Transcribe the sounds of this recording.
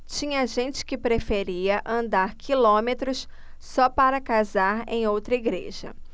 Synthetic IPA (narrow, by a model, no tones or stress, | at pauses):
t͡ʃĩɲɐʒẽnt͡ʃɪ̥kɪpɾefeɾiɐʔɐ̃nd̪aɾkʰilõmet̪ɾʊs | sɔpaɾɐkazaɾḛ̃j̃owt̪ɾɐiɡɾḛʒɐ̰